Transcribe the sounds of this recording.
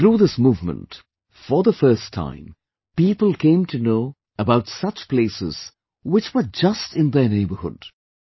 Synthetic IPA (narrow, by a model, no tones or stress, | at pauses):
θɾuːðɪsmuːvmə̰̃nt | fə˞ðəfɜ˞stʰːã̰ɪ̃m | piːpəl̩ˠkʰẽɪ̃mtʰɨnoʊ | əbaʊtsʌt͡ʃpleɪsɪ̰z̥ | wɪt͡ʃwə˞d͡ʒʌstɪ̃nðə˞neɪbə˞hʊ̰d̥